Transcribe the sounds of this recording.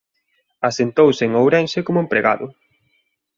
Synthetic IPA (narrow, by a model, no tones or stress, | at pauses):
asent̪owsɪŋowɾɛnʃɪkomʊempɾeɣa̰ðʊ